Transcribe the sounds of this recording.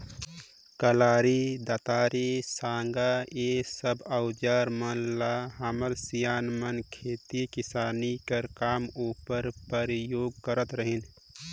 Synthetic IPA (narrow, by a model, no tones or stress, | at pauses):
kəlaːɾid̪at̪aːɾisaːŋɡaesəbəʊd͡ʒaːɾmənlaɦaməɾsijaːnmənkʰeːt̪ikɪsaːnikəɾkaːmuːpəɾpəɾjoːɡ̚kəɾət̪ɾəɦin